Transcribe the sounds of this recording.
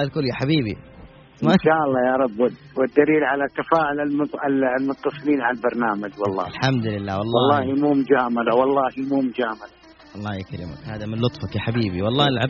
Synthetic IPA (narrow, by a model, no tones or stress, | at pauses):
ɪlkʊlːjaħabiːbḭ | maʃaːʔɑlˤːɑːjɑɾˤɑbːʊd̪ | wɪd̪ːaliːlʕalat̪ːafaːʕʊlalmʊllmʊt̪ːɑsˤɨliːnʕaalbɑɾˤnaːmad͡ʒwɑlˤːɑ̰ːlħamd̪lɪlːaːwɑlˤːwɑlˤːɑːhimuːmʊd͡ʒaːmalawɑlˤːɑːhimuːmʊd͡ʒaːmala | wɑlˤːɑːjakaɾḭma̰khaːðamɪnlʊt̪ˤfakjaħabiːbiwɑlˤːɑːɪlʕab